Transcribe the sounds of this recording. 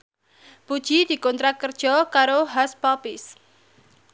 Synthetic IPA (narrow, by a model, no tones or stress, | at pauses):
pud̥ʒ̥i̤d̪̥i̤kɔnt̪ɾakərd̥ʒ̥ɔ̤kaɾoɦaspapɪs